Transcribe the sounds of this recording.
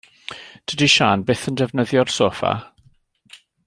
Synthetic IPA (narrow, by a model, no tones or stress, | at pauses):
d̥ʰədiʃaːnbeːθəndɛvnəðjɔrsoːfa̰